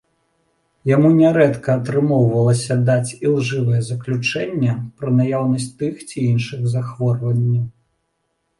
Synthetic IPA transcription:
jamunʲɛɾɛt̪kɐːt̪ɾɨmɔwvɐlˠɐsʲɐd̪at͡sʲilˠʐɨvɐjɛzɐklʲut͡ʂɛnʲːɛpɾɐnajawnɐsʲt͡sʲt̪ɨxt͡sʲiinʂɨɣzaxvɔrvɐnʲːɐw

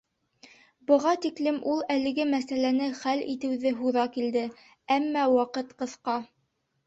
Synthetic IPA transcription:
bɤ̆ʁɑt̪iklɘmʔulˠælɘ̆ɡɘmæsælænɘχælḭt̪ɘ̆wðɘɦuðɑkild̪ɘ | æmːæwɑqɤt̪qɤ̆θqɑ

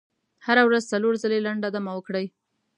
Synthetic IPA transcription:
haɾawɾazt͡saloɾzalelaɳɖad̪amawəkɽəj

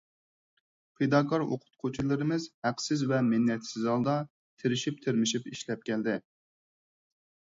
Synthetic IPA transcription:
pʰed̪ɑːkʰɑɾo̰qʰʊ̥t̪̚qʰʊt͡ʃʰilˠɨɾɨmɨzhæqsɪzvɛmɪnːɛt̪sɪzɑlˠd̪ɑ | t̪ʰeɾɪʃip̚t̪ʰeɾmɪʃipiʃlɛp̚kʲʰɛld̪ɪ

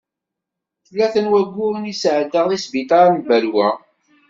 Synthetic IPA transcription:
θlːæθənwæɡʷːʊɾnisʕd̪əʁðˤisbit̪ɑɾnbælwæ

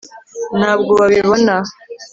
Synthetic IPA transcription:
naːbɡo̞βaβiβo̞na

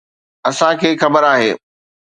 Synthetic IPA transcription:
ɐsãkʰeːxɐbəɾaːɦeː

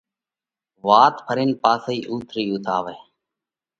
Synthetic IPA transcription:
ʋaːt̪pʰəɾɪːnpaːsəiːʔuːt̪ʰɾiːʊːt̪ʰaːʋeː

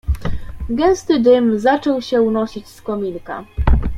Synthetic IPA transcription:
ɡɛñst̪ɘd̪ɘmzat͡ʂɔwɕɛunɔɕit͡ɕskɔmʲinka̰

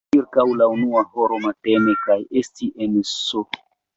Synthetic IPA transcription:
iɾkawlaunuaho̞ɾo̞matenekajestiʔenso

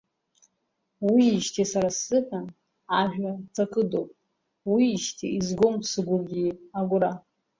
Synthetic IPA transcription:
wiːʃtʰisaɾasɨkʼan | aʒᶣat͡sʰʼakʼɨdowpʼ | wiːʃtʰiizɡomsɨɡʷʊrɡʲiaɡʷʊɾa

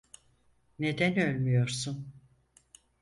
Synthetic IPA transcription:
ne̞d̪ænølʲmyjo̞ɾsun

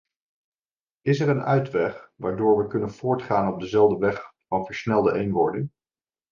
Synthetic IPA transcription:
ɪsɛɹənœɥtʋɛχʋaːɹdʊːɹʋəkɵnənv̥ʊːɹtχaːnɔb̚dəzɛlˠdəʋɛχfɑnvəɹsnɛlˠdəʔejnʋɔɹdɪŋ

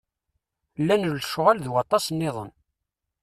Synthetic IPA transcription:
lːænəlʃʊʁalðwɑt̪ˤɑsnːɪðˤə̰n

